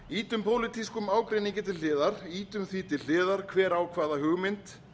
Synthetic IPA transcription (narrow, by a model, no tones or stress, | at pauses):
iːt̪ʏmpʰoːwlɪt̪iskʏmaːwkɾejniŋcɪt̪̬ɪɪːðaɾ̥iːt̪ʏmθiːt̪ɪl̥ɪːðaɾ̥kʰvɛːɾaːwkʰvaːðaɦʏːɣmɪnt̪